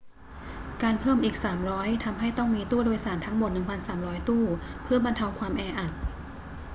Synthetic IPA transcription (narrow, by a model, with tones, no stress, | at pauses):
kaː˧npʰɤː˥˩mʔiː˨˩k̚saː˩˦mɾɔː˦˥jt̪ʰa˧mɦa˥˩jt̪ɔ˥˩ŋmiː˧t̪uː˥˩doː˧jsaː˩˦nt̪ʰa˦˥ŋmo˨˩t̪̚nɯ˨˩ŋpʰa˧nsaː˩˦mɾɔː˦˥jt̪uː˥˩pʰɯ˥˩ɐba˧nt̪ʰa˧wkʰwaː˧mʔɛː˧ʔa˨˩t̪̚